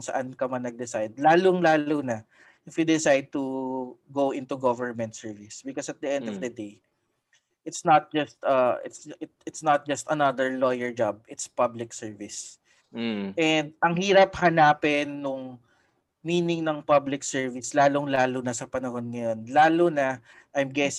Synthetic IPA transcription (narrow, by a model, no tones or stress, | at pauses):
ŋsɐʔankɐmɐnɐɡ̚d̪ɪsajd̪̚laːloŋlaːlonɐ | ʔɪfwid̪ɪsajd̪̚t̪uɡowʔɪ̃nt̪uɡovəɹmɛnt̪sɛɹvɪsbɪkɔsɐt̪̚d̪iʔɛ̃nd̪ɔvd̪ɐd̪ej | ʔɪt̪snɐt̪̚d͡ʒɐst̪ɐɪ̰t̪sɪtɪt̪snɐt̪̚d͡ʒɐst̪ɐnɐd̪əɹlojɛɹd͡ʒab̚ɪt̪spɐblɪksɛɹvɪs | ʔɛnd̪̚ɐŋhiːɾɐphɐnaːpɪnːʊŋ | miːnɪŋnɐŋpɐblɪksɛɹvɪslaːloŋlaːlonɐsɐpɐnɐho̞nŋɐjonlaːlonɐ | ʔajmɡɛs